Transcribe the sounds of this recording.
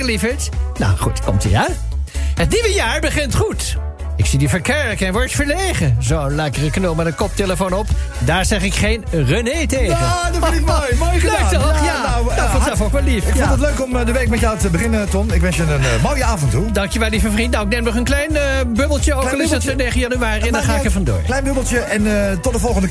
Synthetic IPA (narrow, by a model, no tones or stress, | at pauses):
əlifətna̰wχutkɔ̰mtḭa | ɦətniʋəjaːɹbəχɪntχut | ɪksidifəɹkɛɹkɛnʋɔɹtfəɹlejχəzonlɛkərəknolˠmɛdənkɔp̚teləfonɔp | daːɹzɛχɪkχejnrøneːteːdɔimojmoːjəədɛktɛjanawfɔnsɛlˠfowkʋɛlˠifɪkɪntətløɥkɔmdəʋejk̚mɛtjawtəbəχɪnətɔmɪkʋɛnsənənmoːjəaːvəntudɑŋkjəʋɛlˠlivəfrindnawɪk̚nemnɔχənklɛjnəbøbəlˠtəokɛlˠɪsɛtsənejχəjɑnyaːriɛndaχaːɪkəvɑndʊ̰ːɹlɛjnbøbəl̩ˠtəɛntɔt̚dəvɔlˠχəndə